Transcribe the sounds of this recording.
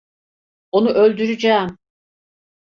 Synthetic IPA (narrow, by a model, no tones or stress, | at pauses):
o̞nuʔølʲd̪yɾyd͡ʒaːm